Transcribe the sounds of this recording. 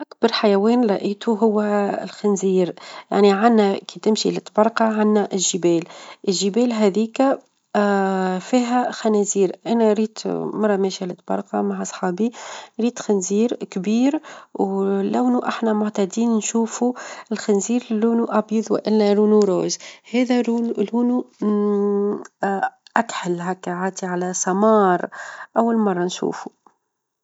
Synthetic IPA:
ʔakbɑɾˤħajæwɛːnlˤɑʔiːt̪uɦʊwːælxɪnziːɾja̰ʕniʕanːækit̪ɪmʃḭlɪt̪ːbɑɾˤqɑʕanːæʔɪlʒəbɛːlʔɪlʒːəbɛːlɦæðiːkæ | fiːɦæxænæziːɾʔænæɾiːt̪mɑɾˤːɑmɛːʃælɪt̪ːbɑ̰ɾˤqɑ̰maʕsˤħɑːbiɾiːt̪xɪnziːɾkbiːɾwlæwnuʔaħnæmʊʕt̪æd̪iːnnʃuːfuɪlxænziːɾluːnuʔɑbjəðˤwɪ̰ʔɪnːæluːnuɾoːzhɛːðæluːnu | ʔæk̪ħɪlɦækːʕaːt̪iʕalæsˤɑmɑːɾˤʔawːalmɑrˤːɑnʃṵːfu̥

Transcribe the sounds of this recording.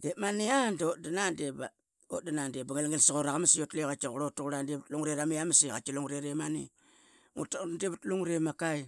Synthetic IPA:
demaniandodanandeba̰ | o̰danandebaŋelŋelsaɣoɾaɣamasijotlekat͡ʃaɣuɾotaɣuɾandebutluŋɾeɾamijamaseɣa̰t͡ʃaloŋɾeɾemanḭ | ṵtdeβutluŋɾemakaj

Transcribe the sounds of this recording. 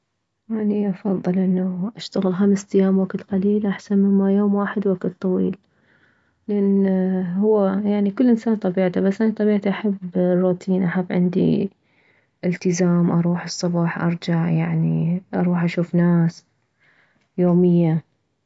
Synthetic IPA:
ʔaniʔɑfɑðˤːɨlʔɪnːaʔaʃt̪aɣɪlxamsʔ̪ajːaːmwaklqaliːlʔaħsanmɪmːajoːmwaːħɪd̪wakt̪̚t̪ˤːɑwiːl | lɪʔanːhʊwːajaʕnikɪlːʔɪnsaːnt̪ˤɑbiːʕt̪abasːʔanit̪ˤɑbiːʕt̪iʔaħabːrːut̪ʰiːnʔaħabːʕɪ̰nd̪ḭ | ʔɪlt̪ɪzaːmʔɑɾˤuːħɨsˤːʊbɑːħʔɑ̰ɾˤd͡ʒaʕjaʕniʔɑ̰ɾˤuːħʔaʃuːfnaːs | joːmɪjːa

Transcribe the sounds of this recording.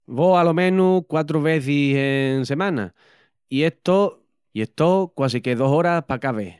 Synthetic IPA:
βoalomẽnukwat̪̬ɾoβ̞eθiseŋse̞mãna̰ | ieht̪o | ieht̪okwas̬ikeðosoɾapakaβḛ

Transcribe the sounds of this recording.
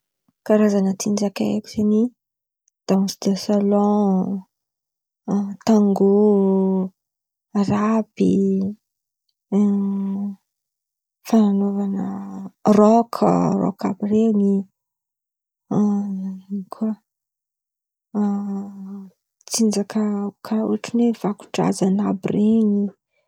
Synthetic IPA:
kaɾazanət͡sind͡ʒakaḛku̥seni | d̪̥amusi̥d̪asalɔ̃ | t̪aŋɡu | aɾabḭ | fananovanərɔkʰrɔ̰ka̰bireŋi | kʰuə | t͡sind͡ʒakəkʰaṵaʈ͡ʂunev̥aku̥ʈ͡ʂa̰zanabireŋi

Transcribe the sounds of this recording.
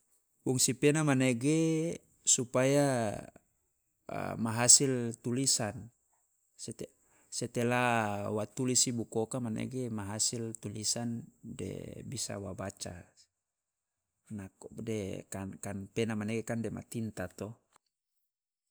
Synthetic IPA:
buŋsipenamaneɡe | supaja | maɦasilt̪ulisan | set̪ | sɛt̪elawat̪ulisibukɔkamanḛɡemaɦasilt̪ulisandɛ̰bisa̰wabat͡ʃa̰ | nakdekankanpenamaneɡekandɛma̰t̪int̪at̪ɔ

